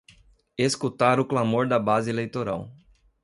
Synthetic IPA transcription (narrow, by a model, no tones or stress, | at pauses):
eskut̪aɾʊklamoɾd̪ɐbazɪelejt̪oɾa̰w